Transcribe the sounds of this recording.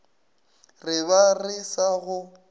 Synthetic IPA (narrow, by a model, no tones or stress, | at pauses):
rɪβarɪsaɣʊ